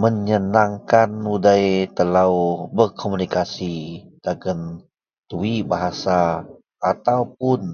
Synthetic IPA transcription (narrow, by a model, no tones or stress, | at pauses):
məɲənaŋkanudajt̪əlawbərkʰomunikasidaɡən | t̪uibaɦasaː | t̪awp̚ʊn